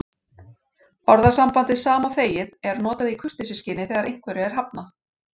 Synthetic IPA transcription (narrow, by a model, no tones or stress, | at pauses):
ɔɾðasampant̪ɪðsaːmawθeːjɪðɛɾnɔːt̪aðikʰʏ̥r̥t̪ɪsɪscɪːnɪθɛːɣaɾʔejŋ̥kʰvœɾɪɛɾ̥ɦap̚na